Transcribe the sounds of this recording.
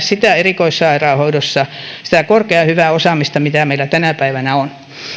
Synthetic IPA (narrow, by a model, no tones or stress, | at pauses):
ssit̪æˑerikoisːɑɑirɑːˑhoidosːɑsĭ̥t̪ækorkeɑhyʋæːˑosɑˑmist̪ɑmit̪æmeilːˑæt̪ænæpæiʋænæon